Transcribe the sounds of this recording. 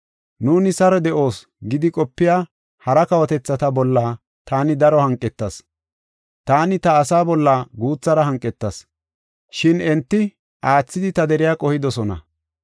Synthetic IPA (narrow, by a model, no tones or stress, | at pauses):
nuːnɪsɐɾɔd̪ɛʔo̞ːs | ɡɪd̪ɪkʼɔpːɪjaː | hɐɾɐkɐwɐt̪ɛt͡sːɐt̪ɐbɔlːaː | t̪aːnɪd̪ɐɾɔhɐŋkʼːɛt̪ːɐs | t̪aːnɪt̪ɐːsaːbɔlːaːɡuːt͡sːɐɾɐɦɐŋkʼːɛt̪ːɐs | ʃɪnɛnt̪ːɪ | ʔaːt͡sːɪd̪ɪt̪ɐd̪ɛɾɪjaːkʼɔhɪd̪ɔsɔnɐ̰